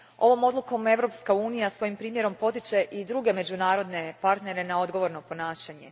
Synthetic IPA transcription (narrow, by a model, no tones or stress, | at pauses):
o̞ʋo̞mo̞d̪lˠuko̞me̞ʋɾo̞pskauːnijasʋo̞jimpɾiːmje̞ɾo̞mpo̞t̪it͡ʃe̞ʔid̪ɾuɡe̞me̞d͡ʒunaːɾo̞d̪ne̞paɾt̪ne̞ɾe̞nao̞d̪ɡo̞ʋo̞ɾno̞po̞naːʃaɲe̞̰